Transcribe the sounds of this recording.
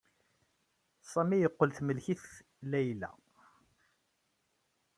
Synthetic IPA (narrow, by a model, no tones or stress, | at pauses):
sˤɑmijəqːəlθməlçiθ | læjlæ̰